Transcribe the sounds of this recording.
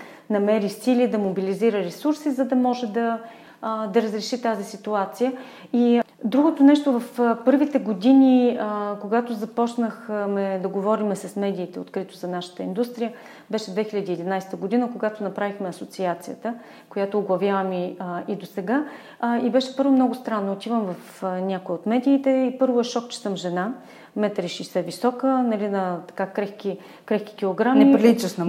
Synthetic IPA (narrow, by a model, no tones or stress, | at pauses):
nɐmɛɾisilid̪ɐmobiliziɾəɾɛsuɾsizɐd̪ɐmɔʒɛd̪ɐ | d̪ɐɾəzɾɛʃit̪azisit̪uat̪sijə | id̪ɾuɡot̪onɛʃt̪ovɐfpɤɾvit̪ɛɡod̪inʲikoɡat̪ozɐpɔt͡ʃnəxmɛd̪ɐɡovɔɾimɛsɐsmɛd̪iːt̪ɛo̰t̪kɾit̪ozɐnaʃə̥t̪əḭnd̪ust̪ɾijə | bɛʃɛd̪vɛxiʎʲəd̪iːd̪inajst̪əɡod̪inəkoɡat̪onɐpɾavixmɛɐsot̪siat̪sijət̪ə | kojat̪oːɡlˠɐvʲjavɐmiid̪osɛɡa | ibɛʃɛpɤɾvomnɔɡʊst̪ɾanːoːt̪ivəmvɐf | nʲakojot̪mɛd̪iːt̪ɛipɤɾvoɛʃɔk̚t͡ʃɛ̥sɤmʒɛna | mɛt̪ɾiʃisɛvisɔkənɐlinɐt̪ɐ̥kakɾɛxki | kɾɛxki̥kʲilˠoɡɾamnipɾilit͡ʃəʃn